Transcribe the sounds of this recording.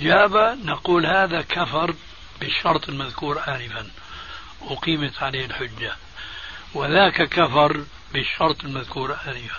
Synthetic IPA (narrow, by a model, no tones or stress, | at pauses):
d͡ʒaːbanaquːlhaːðakafɑɾˤ | bɪʃːɑɾˤt̪ˤɪlmaðkuːɾˤʔaːnɪfan | wɪqiːmɪt̪ʕaleːɪlħʊd͡ʒːa | wɪðaːkakafɑɾˤ | bɪʃːɑɾˤt̪ˤɪlmaðkuːɾʔaːnɪfa